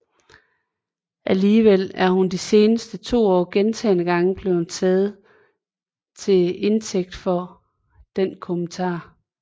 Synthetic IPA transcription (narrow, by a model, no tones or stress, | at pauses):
ʔæliːʋel̰æɐhund̥ise̝ːnəsd̥ət͡sʰo̝̰ːɒ̰ːɡ̥ent͡sʰɛːnəɡ̥ɑ̈ŋəb̥le̝ʊhunt͡sʰɛːð̞̩ˠ | t͡sʰe̝e̝nt͡sʰeɡ̥̚d̥fɒ̽ | d̥enkʰomənt͡sʰɑ̰̈ː